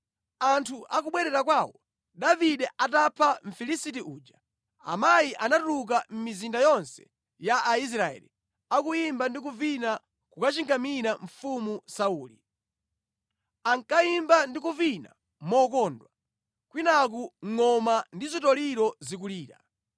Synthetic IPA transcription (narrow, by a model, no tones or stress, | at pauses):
antʰuʔak̬uɓwɛɾɛɾak̬waːwɔ | ɗaviɗɛʔatapʰaɱ̩filisitiʔuːd͡ʒa | a̰majiʔanatuluk̬am̩mizindajɔnsɛ̥̰ | jaʔːis̬ɾaɛ̰lḭ | akujimbandik̬uvina | kukat͡ʃiŋɡamiɾaɱ̩fumusauːli | aŋkajimbandikuvina̰ | mɔkɔndwa | kwinak̬uŋŋɔmandizitɔliɾɔzik̬uliːɾa̰